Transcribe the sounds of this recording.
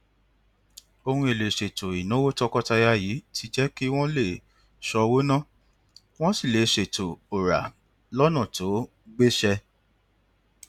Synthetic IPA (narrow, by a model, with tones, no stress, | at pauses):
o˧hũ˧e˨le˨ʃe˨to˨i˨nũ˨˦wo˦tɔ˦kɔ˦ta˧ja˧ji˨˦tʰi˧˦d͡ʒɛ˦ki˦w̃ɔ̃˦le˦˨ | ʃɔ˧wo˦nã˦˨ | w̃ɔ̃˦si˦˨le˨ʃe˨to˨o˨ɾa̰˨ | lɔ˦nã˦˨to˨˦ | ɡ͡be˦ʃɛ˧